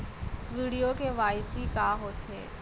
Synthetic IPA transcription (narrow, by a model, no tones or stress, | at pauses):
ʋiːɽijokeʋaːɪsikaːɦoːt̪ḛː